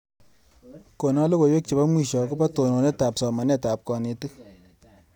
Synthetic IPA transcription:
ko˨nɔ˦lo˦ko˨jwe˦k̚t͡ʃi˨ba˦mwi˦˨ʃɔ˨ko˦pa˦to˨no˨nɛ˦ta˨psɔ˨ma˨nɛ˦ta˨p̚kɔ˨ne˨ti˦k

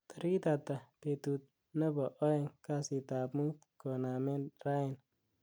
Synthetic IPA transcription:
t̪a˨ɾi˦t̪a˨ta˨pe˨t̪u˨t̪̚ | na˦bo˨ʔo˦e˦˨ŋka˦si˨t̪a˨bmu˦t̪ko˨na˨me˦nɾa˦ɪ˨n

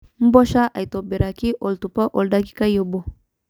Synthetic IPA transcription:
m̩˦bɔ˦ʃa˦ʔa̰˨i˨tɔ˨be˨ɾa˨ki˦ʔɔ˨ltu˨pa˦ʔɔ˨lda˦ki̥˦ka˦jɔ˨bɔ˨

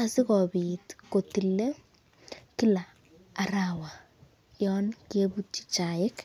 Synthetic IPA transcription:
asɪ˦kɔ˨bitko˨ti˨le˦ | ki˦laː˨ | ɾawa | jɔnke˦but͡ʃi̥t͡ʃa˨jɪ˦k

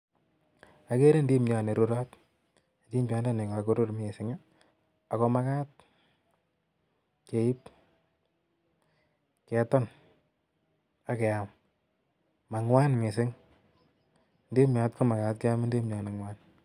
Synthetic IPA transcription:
a˨ke˦ɾe˦ndi˦mɲɔ˨ne˨ɾu˦ɾɔ˦t | ti˦ɲpa˨˦nda˦ne˨kɔ˨a˨ko˦ɾo˦ɾm˦e˨sɪ˨ŋa˦ | a˨kɔ˧ma˦ka˦t̚ | ke˨i˦p̚ | kɛ˨˦tɔ˦n | a˦ke˨a˨m | ma˨ŋwa˦nme˨sɪ˦ŋ | ndi˦mɲa˧tko˦ma˨ka˦t̚ke˦a˦mɪ˦ndi˦mɲɔ˨ne˨ŋwa˦n

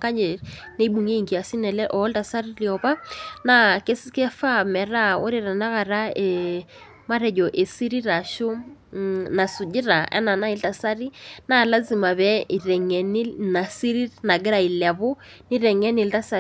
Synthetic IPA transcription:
ka˦ɲe˨ne˦ɓu˨ŋe˦i˨ŋki˨a˨si˦nɛ˨lɛ˦ʔɔ˨˦lta˨sa˦ɾi˦ljɔ˨βa˦na˦ke˦skɛ˦fa˦mɛ˨ɾa˦ɔ˦ɾe˨ɾa˨na˦ɣa˨ɾa˦e˨ | ma˦ɾɛ˨d͡ʒɔ˨ʔe˨si˦ɾi˦ɾa˨ʃo˦ | na˨su˨d͡ʒɪ˦ɾa˨ɛ̰˦na˨na˦ɪ˦lta˨sa˦ɾi˦na˦˨la˦zi˨ma˨βɛ˦i˨ɾɛ˨ŋɛ˨ni˦na˨si˦ɾi˦ɾna˨ɡɪ˦ɾa˨i˨la˨βo˦ | ni˦ɾɛ˨ŋɛ˦nɪ˨lta˦sa˨

